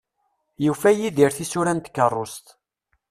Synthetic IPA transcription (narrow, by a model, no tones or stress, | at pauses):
jufæjiðiɾθisuɾænt̪kːərˤːost̪